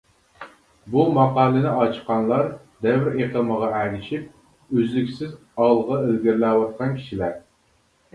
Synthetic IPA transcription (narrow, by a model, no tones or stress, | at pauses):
bumɑqɑːlˠɨnɪɑt͡ʃʰqɑnlˠɑɾ | d̪ɛvɾeqəməʁɑælɪʃip̚ | øzlykʲsɪz | ɑʁlˠəʁɑelɡʲɪɾlæwɑt̪̚qʰɑnkʲʰi̥ʃilæɾ